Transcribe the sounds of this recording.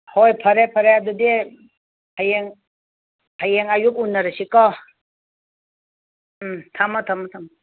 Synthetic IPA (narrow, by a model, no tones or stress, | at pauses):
hojpʰɐɾepʰɐɾeadude | hajeŋ | hajeŋajukunːaɾasikɔ | t̪ʰamɔt̪ʰamɔt̪ʰam